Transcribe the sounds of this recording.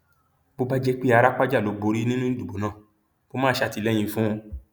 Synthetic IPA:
bo˧ba˧d͡ʒɛ˧k͡pi˦a˨˧ɾa˦k͡pa˦d͡ʒa˦˨lo˨ɡ͡bo˨˧ɾi˦nĩ˦nũ˦du˨bo˨˦nãː˦˨ | b̥o˦mãː˦ʃa˧ti˧lɛ̃˦˨ĩ˧fũ˦o˧

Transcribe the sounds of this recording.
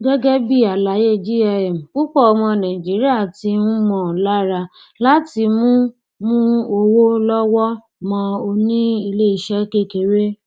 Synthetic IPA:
ɡɛ˦ɡɛ˦bi˦˨a˨la˨˦je˦˨d͡ʒi˦ɛ˧ɛ˨m̩˨ku˦k͡pɔ˦ɔ˧mɔ̃˧nã˨d͡ʒi˨˦ɾi˦a˦˨ti˧˦ñ̩˦mɔ̃˦˨la˦ɾa˧ | la˦ti˧mũ˦ | mũ˦o˧wo˦lɔ˦wɔ˦ | mɔ̃˧o˧nĩ˦i˧le˦i˧ʃɛ˦ke˦˨ke˨˦ɾe˦

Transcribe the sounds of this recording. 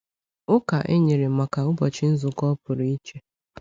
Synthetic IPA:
ʊ˦ka˨ʔe˦ɲe˨ɾɪ˨ma˨ka˨ʊ˦bɔ˨t͡ʃɪ˦n̩˦zʊ˨kɔ˦pʊ˨ɾi˨i˦t͡ʃe˦

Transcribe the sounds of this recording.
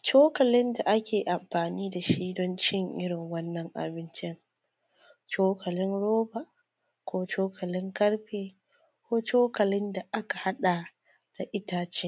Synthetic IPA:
t͡ʃoː˦kɐ˨lɪ˦nda˨ʔa˦kʲeː˨ʔa˨mɸaː˨niː˦da˨ʃiː˦dɔ˦nt͡ʃɪ˦ŋʔɪ˦ɽɪ˨ŋwɐ˦nːɐ˨ŋʔa̰˨bɪ˦nt͡ʃɪ˦ŋ | t͡ʃoː˦kʰɐ˨lɪ˦nɽoː˦ba˨ʔ | kʷoː˦t͡ʃoː˦kʰɐ˨lɪ˦ŋkɐ˦ɽɸeː˦ | kʷoː˦t͡ʃoː˦kɐ˨lɪ˦nda˨ʔa˦ka˨ha˦ɗa˨ | d̥a˨ʔɪ˦taː˦t͡ʃɪ˦ŋ

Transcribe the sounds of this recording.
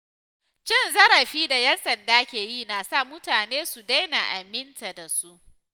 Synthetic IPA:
t͡ʃɪ˦nzɐ˦ɾɐ˨ɸiː˦da˨jɛ˦nsɐ˨ndaː˦kʲeː˨jiː˦˨naː˨sa˦˨mʊ˦taː˨neː˦su˨da˦jna˨ʔa˨mɪ˦nta˨da˨su˦ʔ

